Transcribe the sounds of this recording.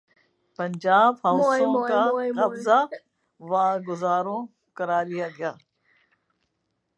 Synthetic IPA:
pɐɲd͡ʒaːbɦɐːʊsõkakɐbza | ʋaːɡʊzaːɾõ | kɐɾaːlijaɡɐjaː

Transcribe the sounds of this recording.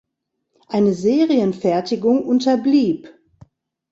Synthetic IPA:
ʔaɪnəzeːʁiənfɛɐtɪɡʊŋʔʊntɐbliːp

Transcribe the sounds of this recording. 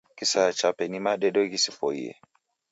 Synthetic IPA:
kisat͡ʃapɛnimaɗɛɗoɣisifo̰ḛ

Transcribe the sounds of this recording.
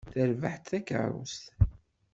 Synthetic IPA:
θəɾvaħt̪θækə̰ɾˤṵst̪

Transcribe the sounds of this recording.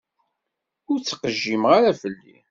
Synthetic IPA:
ʊɾt͡sːqəʒːimʁaɾafəlːḭ

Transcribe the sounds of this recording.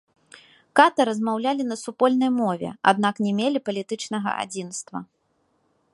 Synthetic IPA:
kat̪ɐɾɐzmawlʲalʲinɐsupɔlʲnɐjmɔvʲɛ̰a̰d̪naknʲɛmʲelʲipɐlʲit̪ɨt͡ʂnɐɣɐ̰ʔa̰d͡zʲinst̪vɐ̰

